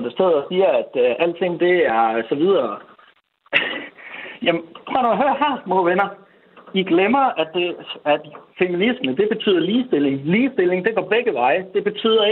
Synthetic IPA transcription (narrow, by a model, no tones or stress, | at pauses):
d̥ese̝ð̰ˠɒsiːɐæd̥ʔæl̰d̥t͡sʰe̝ŋ̰d̥e̝æɐsɒ̽ʋið̞ˠɐ | jæmt͡sʰʁo̰ːnoæɦøɐhæɐmoʋenɐ | iɡ̥lemɐæd̥e̝æd̥feminisməd̥e̝b̥e̝t͡sʰy̰ːð̰ˠɐliːsd̥e̝le̝ŋliːsd̥e̝le̝ŋd̥e̝ɡ̥ɒ̰b̥eɡ̥əʋɑ̈ɪəd̥e̝b̥e̝t͡sʰy̰ːðˠɐ